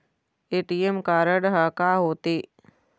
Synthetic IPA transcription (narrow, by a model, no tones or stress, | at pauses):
eːʈiːemkaːɾəɽɦakaːɦoːt̪eː